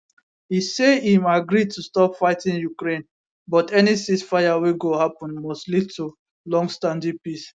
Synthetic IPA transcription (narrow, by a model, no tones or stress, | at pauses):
iseĩmaɡɾid̚tustɔpfaɪtĩnjukɾẽn | bɔtɛnisisfajaweɡohapɔ̃nmɔstlid̚tu | lɔ̃ŋɡstãndipis